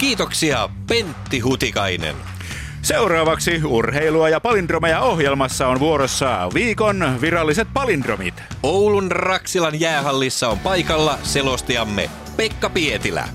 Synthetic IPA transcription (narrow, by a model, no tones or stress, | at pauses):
k̟iːt̪o̞ksiɑ | pe̞nt̪ːiɦut̪ikɑjnḛn | se̞wɾɑːʋɑksiurheiluɑjɑpɑlind̪romejɑohjelmɑsːɑonʋuoɾosːɑʋiːkonʋiɾɑlːiset̪̚pɑlindromḭt̪ | owlunrɑksilɑnjæːɦɑlːisːɑompɑjkɑlːɑse̞lo̞st̪iɑmːḛ | pekːɑpiet̪ilæ̰